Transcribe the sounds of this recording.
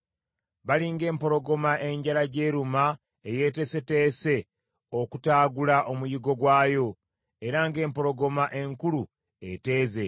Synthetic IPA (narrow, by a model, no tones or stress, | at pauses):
βaliŋɡe̞ːmpo̞ɾo̞ɡo̞maʔe̞ɲɟalaɟe̞ːɾuma | eje̞te̞se̞te̞ːse̞ | o̞kutaːɡulaʔo̞mujiɡo̞ɡwaːjo̞ | e̞ɾaŋɡe̞ːmpo̞ɾo̞ɡo̞maʔe̞ŋkulu | e̞̰te̞ːze̞